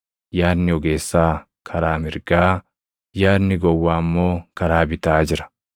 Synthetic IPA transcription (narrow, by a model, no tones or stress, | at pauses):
jaːnːɪɔɡe̞ːsːaː | kʰɐɾaːmɪɾɡaː | jaːnːɪɡɔwːaːmːo̞ːkɐɾaːbɪt̪aːd͡ʒɪɾɐ̥